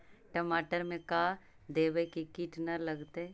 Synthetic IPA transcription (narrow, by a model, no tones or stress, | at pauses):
ʈəmaːʈəɾmẽka | d̪eːʋekikiʈnɐɾlɐɡt̪eɛ